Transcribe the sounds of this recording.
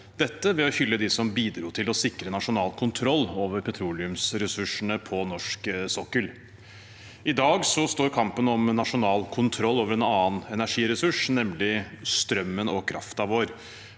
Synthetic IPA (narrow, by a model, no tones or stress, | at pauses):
d̪ɛt̪ːəʋɛɔçʏlːəd̪ɪsɔmbiːd̪ɾuːt̪ʰɪlɔsɪkɾənɑʂʊnɑːlkʰʊnt̪ʰɾɔlːoːʋəɾpʰɛt̪ʰɾuːlɪʉmsɾɛsʉʂəɳəpʰɔnɔʂksɔkːəl | ɪd̪ɑːɡsɔst̪oːɾkʰɑmpənɔmnɑʂʊnɑːlkʰʊnt̪ʰɾɔlːoːʋəɾɛnɑːnɛnæʂiːɾɛsʉʂnɛmlɪst̪ɾœmːənɔkʰɾʔɑ̰ft̪ɑʋoːɾ